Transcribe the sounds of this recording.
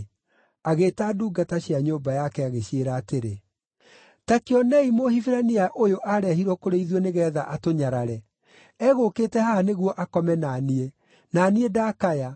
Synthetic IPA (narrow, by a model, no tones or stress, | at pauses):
aɣeːtaduːɡataɕiaɲoːbajakɛaɣeɕeɾaːteɾe | takeɔnɛimohifiɾaniaʔojoʔaɾɛhiɾwɔkoɾeiðɔneɣɛːðaʔatoɲaɾaɾɛ | ɛɣokeːtɛhaneɣwɔʔakɔmɛnanie | naːniedakaja